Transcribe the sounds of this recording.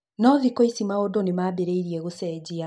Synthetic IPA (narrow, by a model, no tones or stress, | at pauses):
nɔðikoisimaodonemaːbeɾeiɾiɛɣosɛːd͡ʑia